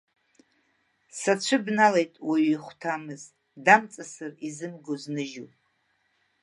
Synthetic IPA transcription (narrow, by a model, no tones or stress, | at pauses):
sat͡ɕʷʰɨbnalejtʼwiiχʷtʰamɨz | damt͡sʼasɨrizɨmɡoznɨʒupʼ